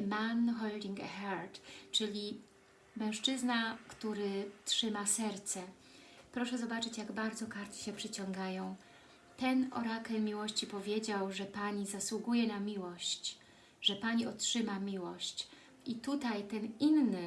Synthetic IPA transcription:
manxɔld̪ʲiŋɡaxaɾt̪t͡ʂɘlʲi | mɛ̃w̃ʂt͡ʂɘznakt̪uɾɘtʂɘmasɛɾt̪sɛ | pɾɔʂɛzɔbat͡ʂɘt͡ɕjaɡbaɾd̪zɔkaɾt̪ʲi̥ɕɛpʂɘt͡ɕɔŋɡajɔ̃w̃ | t̪ɛnɔ̰ɾakɛlmʲiwɔɕt͡ɕipɔvʲjed͡ʑawʐɛpaɲizaswuɡujɛnamʲiwɔɕt͡ɕ | ʐ̥ɛpaɲiɔtʂɘmamʲiwɔɕt͡ɕ | ʔit̪ut̪ajt̪ɛninːɘ

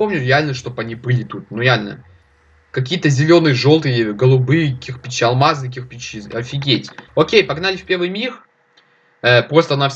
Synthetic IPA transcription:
o̞mnʲʊɾʲɪalʲnəʂt̪o̞pɐnʲipɨlʲɪt̪ut̪̚nuɾʲɪalʲnə̰ | kɐk̬ʲijət̪əzʲɪlʲo̞nɨjəʐo̞lˠt̪ɨjəɡəlˠʊbɨjkʲɪxpʲɪt͡ɕːiɐlˠmaznɨkʲɪxpʲɪt͡ɕiɐfʲɪɡʲetʲokʲejpɐɡnalʲɪfʲpʲe̞rvɨjmʲix | əpɾo̞st̪əɐnafʲ

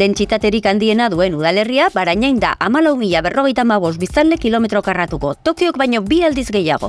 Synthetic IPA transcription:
e̞nt͡sit̪at̪e̞ɾikand̪ie̞naðue̞nuð̞ale̞riabaɾajɲajnd̪a̰ʔamalawmiʎaβe̞ro̞ɣ̞e̞jt̪aːmaβ̞o̞st̪̚bist̪anle̞kilo̞me̞t̪ɾo̞karat̪uko̞t̪o̞kio̞kbajɲo̞biald̪izɡe̞ja̰ɣ̞o̞̰

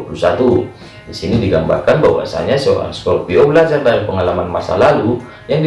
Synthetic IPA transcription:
pulusat̪u | disinidiɡamba̰rkanbawa̰sa̰ɲasəo̰ɾa̰nskɔrpiobəlad͡ʒardaɾipəŋalamanmasa̰lalu | jaŋd

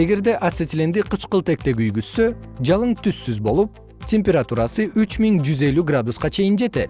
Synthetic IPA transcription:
e̞ɡe̞ɾd̪e̞ʔat̪set̪ʲlend̪iqʰɯt͡ʃqɯlˠt̪e̞k̚t̪e̞ɡyjɡysːø̞d͡ʒɑlˠɯɴt̪ʰysːyzbo̞lˠup | tʲʰe̞mʲpʲeɾat̪uɾɑsɯʔyt͡ʃmiŋd͡ʒyze̞lyɡrad̪usqɑt͡ʃʰe̞jind͡ʒe̞t̪e̞t̪

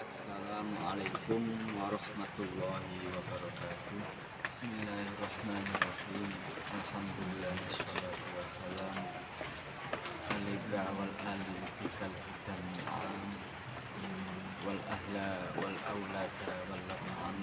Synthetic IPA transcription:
ʔasːalaːmʕalajkʊmwɑɾˤɑħmat̪ʊlˤːɑːhɪwabɑɾˤɑkaːt̪ʊh | bɪsmɪlːaːhɑrˤːɑħmaːnɑrˤːɑħiːm | ʔalħamd̪ʊlɪlːaːhʔɑsˤːɑlaːt̪ʊwasːalaːm | ʔalɪd̪aʕwalʔaːlɪfɪkalfɪt̪amɪalʕaːm | walʔahlawalʔawlaːt̪aawalːaɣʕan

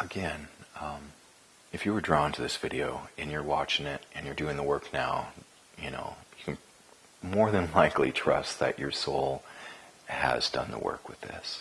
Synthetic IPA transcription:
ʔəɡɛ̃nʌ̃m | ɨfjɨwə˞dɹɔɪ̃ntʰɨðɪsv̥ɪɾioʊɨ̃njə˞wɑt͡ʃɪ̃ŋɪɾʔɨ̃njə˞dʉɪ̃ŋðəwɜ˞knaʊ | jɨno̰ʊjɨkʰɨ̃n̩ | mɔɹðɨ̃nlaɪklḭtʰɹ̥ʌ̰st̪ðɨ̰t͡ʃə˞soʊlˠ | ɨ̰zdʌ̰̃nðə̰wɜ̰˞kwɨðɪ̰s

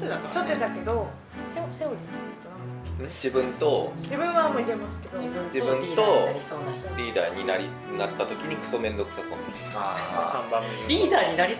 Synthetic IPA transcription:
t̪at͡ɕot̪ːed̪ake̞d̪o̞ | seseoɾʲit̪ːet̪ãd͡ʑibɯ̟̃nt̪o̞d͡ʑibɯ̟̃ɰ̃βamoːiɾe̞masɨ̥ke̞d̪oɯ̃d͡ʑibɯ̟̃nt̪o̞onaɾʲiːd̪a̰ːɲ̟inaɾʲi | nat̪ːat̪o̞kʲiɲ̟ikɯ̟̥so̞mẽ̞nd̪o̞kɯ̟̥sasõ̞ːnaeasãmbameɾʲiːd̪aːɲinaɾʲi

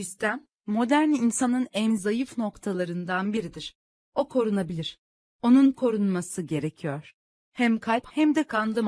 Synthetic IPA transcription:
ist̪ʰæmː | o̞d̪æɾninsanɯnɛmzajɯfno̞kt̪ʰalˠaɾɯnd̪anbiɾid̪iɾ̥ | o̞kʰo̞ɾunabilʲiɾ̥ | o̞nunkʰo̞ɾunmasɯɟe̞ɾe̞cʰijoɾ̥ | hæmkʰalʲphæmd̪ɛkʰand̪ˠɯm

